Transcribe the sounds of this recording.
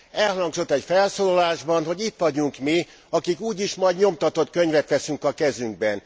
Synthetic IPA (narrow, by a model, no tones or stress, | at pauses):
ɛlhlɒŋɡzo̞t̪ːɛcfɛlsoːlɒlaːʒbɒnɦo̞ɟit̪ʋɒɟuŋkmi | ɒkikuːɟiʃmɒjdɲo̞mt̪ɒt̪o̞t̪køɲvɛt̪ʋɛsyŋkɒkɛzyŋɡ̚bɛn